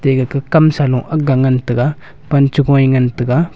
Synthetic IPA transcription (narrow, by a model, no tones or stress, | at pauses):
teɡəkəkamsalũʔaɡaŋəntɨɡa | pant͡ʃiɡõiŋəntəɡa